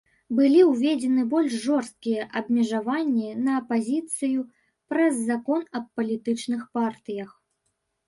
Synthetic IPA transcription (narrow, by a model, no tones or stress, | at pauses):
bɨlʲiwvʲed͡zʲɛnɨbɔlʲʂʐɔrst̪̚kʲijɛʔɐbmʲɛʐavanʲːinɐːpazʲit̪sɨju | pɾɐzːakɔnɐp̚ːɐlʲit̪ɨt͡ʂnɨxpart̪ɨjɐx